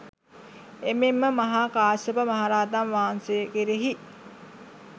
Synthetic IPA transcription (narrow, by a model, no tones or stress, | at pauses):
ememːəmɐɦaːkaːsəpəmaɦaɾaːd̪anʋaːansejəkeɾeɦi